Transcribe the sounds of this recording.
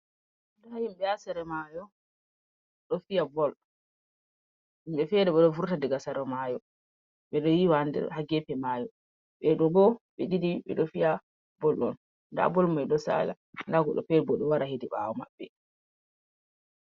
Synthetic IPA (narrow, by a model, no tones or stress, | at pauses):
ɗɔhajimɓɛasɛɾɛmajɔ | ɗɔfijabɔlɗɔ | imɓɛfɛdɛɓɛɗɔvuɾtadɛɡasaɾɔmajɔ | ɓɛɗɔjiwandɛ̰haɡɛpɛmaːjɔ | ɓɛɗɔɡɔɓɛɗidiɓɛ̰ɗɔfija | bɔlɗɔn | nda̰bɔlmajɗɔsa̰la̰ | ndaɡɔ̰ɗɔ̰fɛɾɛbɔɗɔwaɾahediɓa̰wɔma̰bːɛ